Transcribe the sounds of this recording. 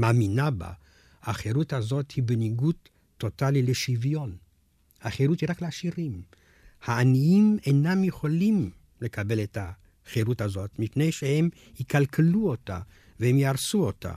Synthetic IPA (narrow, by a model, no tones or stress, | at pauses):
maːminaba̰ | aχeʁuthazo̞thibeniɡutː | o̞talileʃivjo̞n | haχeɾuthiʁakleaʃiʁim | haːniimenamjeχo̞lim | le̞kʰabe̞leta | χeɾutazo̞tmipne̞jʃehem | hikalkeluo̞ta̰ | vehemjiaʁsuo̞ta̰